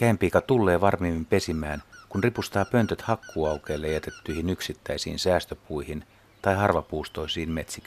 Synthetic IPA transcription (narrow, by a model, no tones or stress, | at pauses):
kæimpiːkɑt̪ulːe̞ːʋɑrmiːmːimpesimæːnkunripust̪ɑːpønt̪øt̪hɑkːuːɑukeːlːejæt̪et̪ːyihinyksit̪ːæisḭːnsæːst̪øpuihin | t̪ɑihɑrʋɑpuːst̪oisiːnmet̪sik